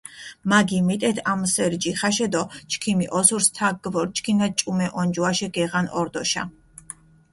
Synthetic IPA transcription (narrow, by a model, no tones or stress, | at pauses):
maɡimɛt̪ʼɛt̪ʰamsɛɾd͡ʒiχaʃɛd̪ɔt͡ʃʰkʰimiʔɔsuɾst̪ʰaɡ̚ɡvɔɾt͡ʃʰkʰinat͡ʃʼumɛʔɔnd͡ʒuaʃɛɡɛʁanɔɾd̪ɔʃa̰